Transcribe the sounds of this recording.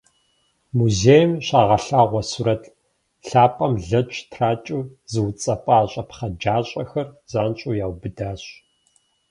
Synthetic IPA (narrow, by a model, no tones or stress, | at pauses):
muzejmɕaːʁɐɬaːʁʷɔsuɾɐtʼ | ɬaːpʼɐmɮɐt͡ʃʼtʰraːt͡ʃʼuːzɨwt͡sʼɐpʼaːɕʼɐpχɐd͡ʒaːɕʼɐxɐrz̥aːnɕʼuːjaːwbɨdaːɕ